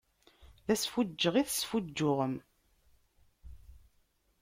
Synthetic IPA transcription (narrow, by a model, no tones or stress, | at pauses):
ðæsfʊd͡ʒːəʁiθsfud͡ʒːʊʁəm